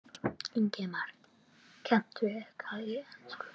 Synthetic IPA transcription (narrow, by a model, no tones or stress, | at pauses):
iɲcɛmaɾ̥ | cʰɛm̥t̪ʏɛhkʰaiɛnskʏ̥